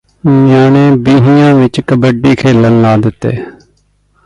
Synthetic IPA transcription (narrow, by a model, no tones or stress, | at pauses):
jaːnẽːbiːɦɪjãːʋɪt͡ʃkəbəɖiːkʰeːlənlaːd̪ɪt̪ːḛː